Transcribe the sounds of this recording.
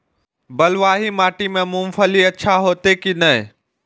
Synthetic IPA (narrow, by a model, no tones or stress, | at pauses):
bɐlʋaːɦimaːʈimẽmʊ̃mfʰəliɐtːʃʰaɦoːt̪ekinɐɦ